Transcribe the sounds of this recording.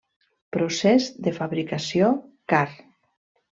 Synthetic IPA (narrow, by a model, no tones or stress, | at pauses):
pɾosɛzðəfaβɾikasjokar